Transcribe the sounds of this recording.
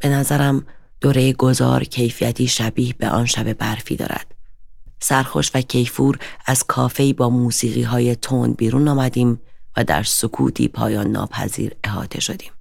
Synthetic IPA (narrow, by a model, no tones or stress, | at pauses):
b̥e̞næzæɾæm | d̪̥oːɾe̞jeɡo̞zɒ̰ːɾcʰe̞jfijæt̪ʰiːʃæbiːhb̥e̞̰ʔɒːnʃæbe̞bæɾfḭːd̪ɒ̰ːɾæ̰d̪̥sæɾxo̞̰ʃvæcʰe̞jfuːɾæz̥kʰɒːfe̞iːbɒːmuːsiːɣiːɦɒːje̞t̪ʰonbiːɾuːnɒːmæd̪iːmvæd̪æ̰ɾsokʰṵːt̪ʰḭːpʰɒ̰ːjɒːnːɒ̰ːpʰæ̰zḭːɾe̞ɦɒ̰ːt̪ʰe̞̰ʃo̞d̪̥iːm